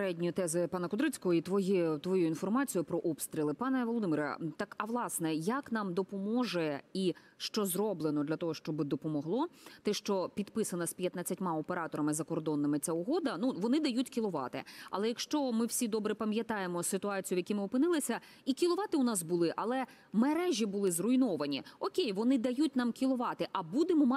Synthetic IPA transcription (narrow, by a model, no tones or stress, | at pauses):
ɾɛdʲnʲijʊt̪ɛzɪpɑnɐkɔd̪ɾɪt͡sʲkɔɦɔit̪ʋɔjit̪ʋɔjuinfɔrmɑt͡sʲijʊpɾɔʔɔpst̪ɾʲilˠɪpɑnɛʋɔlˠɔd̪ɪmiɾɐ̰t̪ɑkɐʋlˠɑsnɛjɐknɑmd̪ɔpɔmɔʒɛi | ʃt͡ʃɔzrɔblˠenɔd̪lʲɐt̪ɔɦɔʃt͡ʃɔbɪd̪ɔpɔmɔɦlˠɔt̪ɛʃt͡ʃɔpʲid̪pɪsɐnɐsʲpʲjɐt̪nɐt͡sʲːɐtʲmɑɔpeɾɑt̪ɔɾɐmɪzɐkɔrd̪ɔnːɪmɪt͡sʲaʊɦɔd̪ɐnuʋɔnɪd̪ɐjutʲkʲilˠʊʋɑ̰t̪ɪ̰ɐ̰lˠɛjɐkʃt͡ʃɔmɪwsʲid̪ɔbɾɛpɐmʲjɐt̪ɑjemɔsɪt̪ʊɑt͡sʲijʊʋjɐkʲimɪʊpɪnɪlˠɪsʲɐ | ikʲilˠʊʋɑt̪ɪʊnɑsbʊlˠɪʔɐlˠɛ | meɾɛʒʲibʊlˠɪzrʊjnɔʋɐnʲiɔkʲejʋɔnɪd̪ɐjutʲnɑmkʲilˠʊʋɑt̪ɪʔɐbud̪emɔm